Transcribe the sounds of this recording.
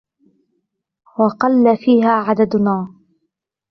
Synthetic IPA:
wɑqɑlːafiːɦaːʕad̪ad̪ʊnaː

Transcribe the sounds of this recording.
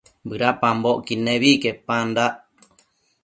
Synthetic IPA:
bɨɾapamboʔkinẽβikepand̪aʔ

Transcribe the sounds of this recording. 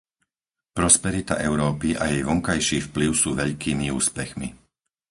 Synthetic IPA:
pɾɔspɛɾit̪a̰ʔɛʊɾɔːpiʔajɛjʋɔŋkajʃiːfpliʊsuːʋɛʎkiːmiuːspɛxmḭ

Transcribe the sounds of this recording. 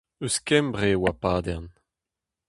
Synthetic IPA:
øskɛmbʁewapaːd̪ɛʁn

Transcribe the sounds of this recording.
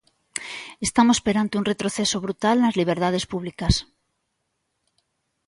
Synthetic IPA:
est̪amospeɾant̪euŋret̪ɾoθesoβɾut̪alnɐzliβ̞eɾðað̞espuβlikɐs

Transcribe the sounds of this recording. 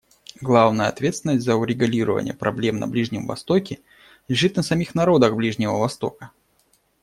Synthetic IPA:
ɡlˠavnəjəɐt̪vʲet̪sʲɪnəsʲtʲzəʊɾʲɪɡʊlʲiɾəvə̰nʲɪ̰jə̰pɾɐblʲe̞mnɐ̰blʲiʐnʲɪmvɐ̰st̪o̞kʲɪ | lʲɪʐɨt̪nəsɐmʲixnɐɾo̞d̪əɣblʲiʐnʲɪvəvɐst̪o̞̰kə

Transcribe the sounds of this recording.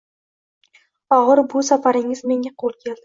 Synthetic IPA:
ɒʁɨɾbʊsafaɾɪŋɪzme̞ŋʲaqʰolˠkʲʰe̞ld̪ɪ

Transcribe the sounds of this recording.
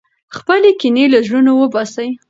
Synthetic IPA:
xpəlekinelaʒɽunowəbɑsəj

